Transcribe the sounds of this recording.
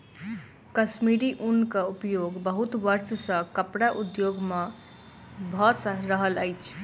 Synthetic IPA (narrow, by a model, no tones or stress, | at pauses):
kəsmiɾiʔunkəupjoɡbəɦut̪ʋəɾt͡ʃʰsə̃kəpɽaʔud̪joɡme | bʱʌsɾəɦələjt͡ʃʰ